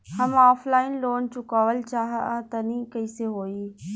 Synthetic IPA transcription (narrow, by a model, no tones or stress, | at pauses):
hɐmaːflaːɪnloːnt͡ɕuːkaːʋəlt͡ɕaːɦãt̪ɐnĩːkɐiseɦoːiː